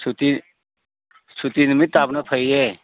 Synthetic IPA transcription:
sut̪i | sut̪inmit̪apnapʰəje

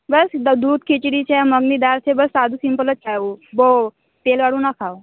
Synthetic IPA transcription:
bəsd̪uːd̪̚kʰit͡ɕiɽit͡ɕʰeməɡnid̪aɾt͡sʰebəsːad̪ʱusimpələt̪̚t͡ʃaubo | t̪elʋaɽũːnakʰaw

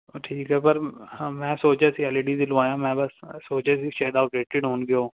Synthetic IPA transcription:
ʈʰiːkɦɛːpəɾmɛ̃ːsoːt͡ʃɛːsiːaːleːɖiːd̪ilʋaːjãːmɛ̃ːbəssoːt͡ʃɛːsiːʃaːd̪aːʈeːʈɪɖɦoːnɡɪjoː

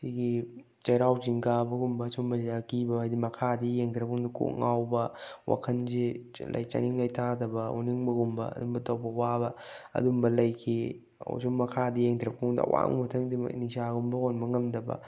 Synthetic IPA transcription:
siɡi | t͡ʃɐjɾawd͡ʒiŋɡabɐɡumbɐsumbɐziɐkibɐajdimɐkʰadijeŋtʰɾɐpʰuŋdikṵʔŋawbɐwa̰kʰɐnzi | lɐ̰jt͡ʃɐ̰niŋlɐjtʰadɐbɐṵniŋbɐɡumbɐ̰ɐ̰dumbɐtɐwbɐwabɐɐ̰dumbɐlɐjkʰi | o̰suŋmɐkʰadijeŋtʰɾɐbkuŋdɐ̰wa̰ŋmɐtʰɐŋdḭnisaɡumbɐkonbɐŋɐmdɐbɐ̰

